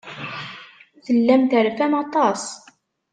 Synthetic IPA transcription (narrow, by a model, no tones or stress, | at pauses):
θəlːæmt̪əɾfæmɑt̪ˤɑs